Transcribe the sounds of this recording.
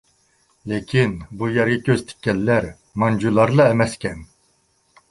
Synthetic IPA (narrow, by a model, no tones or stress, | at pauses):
lekʲʰinbujɛɾɡʲɛkʲʰøzt̪ʰɪ̥kʲːɛlːæɾ | mɑnd͡ʒulˠɑɾlˠɑɛmɛskʲʰɛn